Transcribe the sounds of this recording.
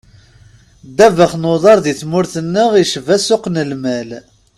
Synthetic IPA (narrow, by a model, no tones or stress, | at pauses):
d̪ævəχnoðˤɑɾˤðiθmʊɾθənːəʁiʃvæsʊqnəlmæl